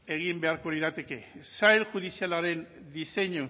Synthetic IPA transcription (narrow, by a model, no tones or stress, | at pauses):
e̞ɣimbe̞aɾko̞liɾat̪e̞ke̞sajlʝuðisialaɾe̞n | d̪ise̞ɲu